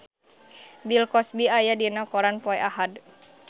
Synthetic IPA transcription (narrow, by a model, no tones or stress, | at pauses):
bilkɔsbiajadinakɔɾanpɔɛʔaɦad